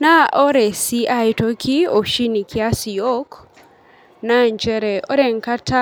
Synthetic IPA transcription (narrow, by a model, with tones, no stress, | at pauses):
na˦ʔo˦ɾɛ˨si˦ʔa˦jto˦kʰi˦o˨ʃi˦ni˨kʰɪ˦a˦si˨jo˦k | na˦ɲd͡ʒɛ˦ɾɛ˨ʔɔ˦ɾɛ˨ŋka˦tʰa˦